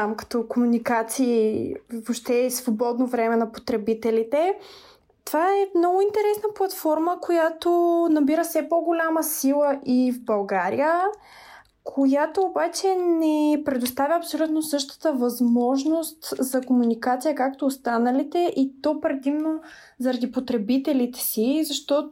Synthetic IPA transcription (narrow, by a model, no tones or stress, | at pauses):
amkɐ̥t̪ɔkomunikat̪siːvopʃt̪ɛsvobɔd̪novɾɛmɛnɐpot̪ɾɛbit̪ɛlit̪ɛ | t̪ovaɛmnɔɡʊint̪ɛɾɛsnəplˠɐt̪fɔɾməkojat̪onɐbiɾəfsɛpɔɡolʲaməsilˠəʔivbɐlˠɡaɾḭjə | kʰojat̪oːbat͡ʃɛnɛpɾɛd̪ost̪avʲəɐpsolʲut̪nosɤʃt̪ə̥t̪əvɐzmɔʒnost̪zɐkomunikat̪sijəkak̚t̪oːst̪anəlit̪ɛʔit̪ɔpɾɛd̪imno | zɐɾɐd̪ipot̪ɾɛbit̪ɛlit̪ɛ̥sizɐʃt̪ɔ